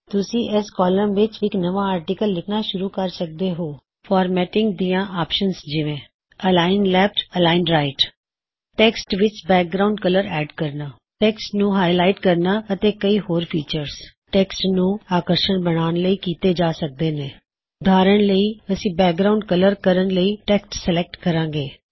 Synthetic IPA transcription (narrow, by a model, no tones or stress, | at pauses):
t̪ʊsĩːʔɛːskɔːləmʋɪt͡ʃɪknəʋaːaːɾʈɪkəlːɪkʰnaːʃʊɾuːkəɾsək̚d̪eːɦoː | fʰɔːɾmɛːʈɪŋɡd̪iːjãːʔaːpʃənsd͡ʒɪʋẽː | əlaːɪnlɛːp̚ʈəlaːɪnɾaːɪʈ | ʈɛːksʈʋɪt͡ʃbɛːk̚ɡɾaʊɳɖkələɾɛːɖkəɾnaː | ʈɛːksʈnũːɦaːɪlaːɪʈkəɾnaːət̪eːkəiːhoːɾpʰiːt͡ʃəɾs | ʈɛːksʈnũːaːkəɾʃəɳbəɽ̃aːnləiːkiːt̪eːd͡ʒaːsək̚d̪eːneː | ʊd̪ʱaːɾəɳləiːəsĩːbɛːk̚ɡɾaːʊ̃ɳɖkələɾkəɾəɳləiːʈɛːksʈsəlɛk̚ʈkəɾãːɡeː